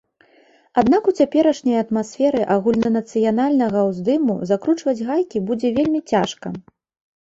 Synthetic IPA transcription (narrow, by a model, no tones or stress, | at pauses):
ad̪nakut͡sʲapʲɛɾɐʂnʲɐjɐt̪masʲfʲɛɾɨʔaɣulʲnɐnɐt̪sɨjanalʲnɐɣɐwzd̪ɨmṵzakɾut͡ʂvɐd͡zʲɣajkʲibud͡zʲɛvʲelʲmʲit͡sʲaʂkɐ